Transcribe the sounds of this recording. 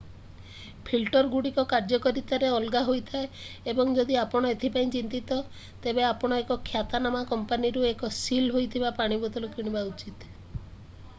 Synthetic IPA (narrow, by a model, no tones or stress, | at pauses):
pʰilʈɔɾɡuɽikɔkaɾd͡ʒɔkɔɾit̪aɾeɔlɡaɦojt̪ʰae | ebɔŋd͡ʒɔd̪iapɔɽ̃ɔet̪ʰipaĩt͡ʃint̪it̪ɔ | t̪ebeapɔɽ̃ɔekɔkʰjat̪anamakɔmpaniɾuekɔsilɦojt̪ʰibapaɽ̃ibɔt̪ɔlɔkiɽ̃ibaut͡ʃit̪